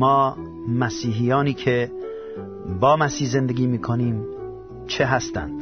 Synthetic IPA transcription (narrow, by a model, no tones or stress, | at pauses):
mɒː | mæsiːɦijɒːniːkʰe | bɒːmæsiːhzend̪eɡiːmiːkʰoniːm | t͡ʃʰeɦæst̪æ̰nd̪̥